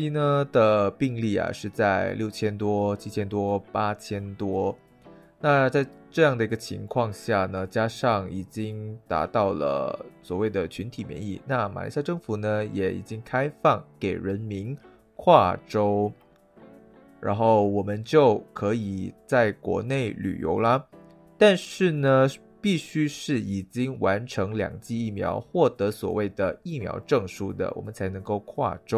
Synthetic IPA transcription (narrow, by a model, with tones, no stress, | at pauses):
i˥nə˧˥d̪ə˨pi˥˧ŋli˥˩a̰˨˩ʂɻ̩˥˧t͡sa˥˧ɪljo˥˩ʊt͡ɕʰjɛ˥nt̪wɔ˥t͡ɕʰi˥t͡ɕʰjɛ˥nt̪wɔ˥pa˥t͡ɕʰjɛ˥nt̪wɔ˥ | na˥˧t͡sa˥˧ɪʈ͡ʂɤ˥˧jɑ˥˩ŋd̪ə˩i˧˥ɡə˧t͡ɕʰi˧˥ŋkʰwɑ˥˧ŋɕja˥˩nə˩t͡ɕja˥ʂɑ˥˩ŋi˨˩t͡ɕi˥ŋt̪a̰˧˥t̪ɑ˥˩ʊlə̰˩swɔ˨˩we˥˩ɪd̪ə˩t͡ɕʰy˧˥nt̪ʰi˨˩mjɛ̰˧˥nḭ˥˩na˥˩ma̰˨˩lʔḭ˧˥sja˥˧ʈ͡ʂɤ˥˩ŋfu˧˥nə˧jɛ̰˨˩ḭ˨˩t͡ɕi˥ŋkʰa˥ɪfɑ˥˩ŋke˨˩ɪɻə˧˥nmi˧˥n | kʰwa˥˩ʈ͡ʂo˥ʊ | ɻa̰˧˥nxo˥˩ʊwɔ˨˩mə˦nt͡ɕjo˥˩ʊkʰɤ˧˥i˨˩t͡sa˥˩ɪkwɔ̰˧˥ne˥˩ɪly̰˨˩jo̰˧˥ʊlɐ˧ | t̪a˥˧nʂɻ̩˥˩nə˩ | pi˥˩ɕy˥ʂɻ̩˥˩i˨˩t͡ɕi˥ŋwa˧˥nʈ͡ʂʰɤ˧˥ŋljɑ̰˨˩ŋt͡ɕi˥˧i˥˩mjɑ̰˧˥ʊxwɔ˥˩t̪ɤ˧˥swɔ̰˨˩we˥˩ɪd̪ə˩i˥˩mjɑ̰˧˥ʊʈ͡ʂɤ˥˩ŋʂu˥d̪ə̰˨wɔ̰˨˩mə˦nt͡sʰa˧˥ɪnɤ˧˥ŋko˥˧ʊkʰwa̰˥˩ʈ͡ʂo˥ʊ